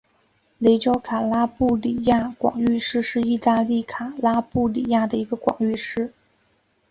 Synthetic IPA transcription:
le˧˥ɪt͡ɕjɑ˥ʊkʰa˨˩la˥pu˥˩li˨˩ja˥˩kwɑ̰˨˩ŋy˥˧ʂɻ̩˥ʂɻ̩˥˧i˥˧t̪a˥˧li˥˩kʰa˨˩la˥pu˥˩lḭ˨˩ja˥˩d̪ə˩i˧˥ɡə˧kwɑ̰˨˩ŋy˥˧ʂɻ̩˥˩

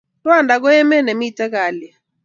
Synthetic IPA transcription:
twa˦˨ndʱa˨k̬ɔ˦ɛ˦mɛ˦ne˨mi˦i˦tʼɛ˦k̬aː˨lɛ˨

